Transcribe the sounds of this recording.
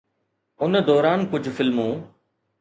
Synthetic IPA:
ʊnd̪ɔːɾaːnkʊd͡ʑʱfɪlmũː

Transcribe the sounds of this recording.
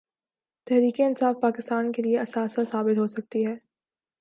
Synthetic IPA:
t̪ɛɦɾiːkeɪnsaːfpaːkɪst̪aːnkelieɐsaːsəsaːbɪt̪ɦosɐk̚t̪iɦɛː

